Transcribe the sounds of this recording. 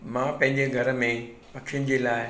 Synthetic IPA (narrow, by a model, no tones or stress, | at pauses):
mãpɐ̃ɦɪ̃ɲd͡ʑeɡʱɐɾə̆mẽpɐkʃɪjʊnɪ̆d͡ʑeːlaːɪ